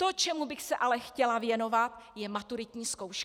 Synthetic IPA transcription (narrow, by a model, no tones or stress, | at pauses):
t̪o̞t͡ʃɛmubɪxsɛʔalɛxcɛlavjɛno̞vat̪jɛmat̪uɾɪt̪ɲiːsko̞wʃk